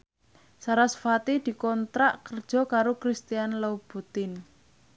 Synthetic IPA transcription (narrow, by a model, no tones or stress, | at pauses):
saɾasfat̪id̪̥i̤kɔnt̪ɾaʔkərd̥ʒ̥ɔ̤kaɾokɾist̪ianlawb̥ut̪ɪn